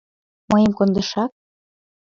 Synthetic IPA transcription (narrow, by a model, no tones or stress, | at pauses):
mɤjəmkond̪ɤ̆ʃɑk̚